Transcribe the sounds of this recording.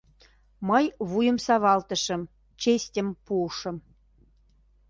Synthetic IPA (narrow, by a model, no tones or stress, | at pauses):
məjβujə̆msɑβɑlt̪ə̆ʃə̆m | t͡ɕesʲtʲəmpuʃə̆m